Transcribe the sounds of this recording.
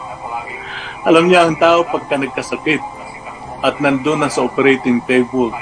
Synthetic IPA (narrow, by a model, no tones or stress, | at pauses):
ʔɐlamɲaʔɐŋt̪aːʔopɐɡ̚kːanɐɡ̚kɐsɐkɪt̪̚ | ʔɐt̪̚nɐnd̪onasɐʔopɛɾɛjt̪ɪŋt̪ejbʊl